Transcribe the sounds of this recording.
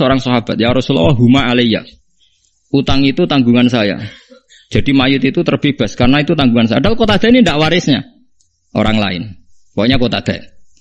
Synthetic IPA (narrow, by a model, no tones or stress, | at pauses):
əoɾaŋsɔɦab̥at̪̚jaɾɔsulɔ̰waɦumaːleja̰ | ut̪aŋit̪ut̪aŋɡuŋansaja̰ | d͡ʒʒ̥a̤dimajʊt̪it̪ut̪ərb̥eb̥askaɾənait̪ut̪aŋɡuŋans̬aja̰d̥alkot̪ad̪̥ainindaʔwaɾɪsɲa̰ | ʔo̰ɾaŋla̰ɪ̰n | waɲakot̪ad̪̥a̰